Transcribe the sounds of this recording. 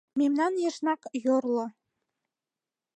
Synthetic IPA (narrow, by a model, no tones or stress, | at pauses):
memnɑnjə̆ʃnɑkjorlo